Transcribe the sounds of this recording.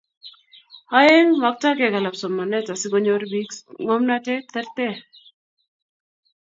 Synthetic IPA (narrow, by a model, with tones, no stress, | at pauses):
ha˦je˦ŋma˨k̚ta˦ɡe˨ka˨la˨psɔ˨mːa˨nɛ˦ta˨sɪ˦ɡo˦ɲo˦ɾbi˦ksŋo˦mna˦tɛ˦t̪ɛ˦ɾt̪e˦